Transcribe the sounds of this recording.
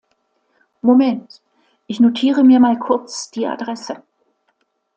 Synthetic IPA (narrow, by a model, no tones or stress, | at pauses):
momɛnt | ʔɪçnotʰiːʁəmiːɐmaːlkʰʊɐt͡sd̥iːa̰dʁɛsə